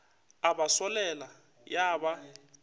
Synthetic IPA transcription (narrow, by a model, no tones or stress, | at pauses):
aɓasɔlɛla | jaːɓa